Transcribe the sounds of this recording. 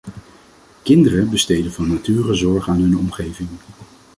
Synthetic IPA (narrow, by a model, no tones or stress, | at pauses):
kɪndərəbəstejdənvɑnːatyːrəzɔɹχaːnɦɵnɔmχejvɪŋ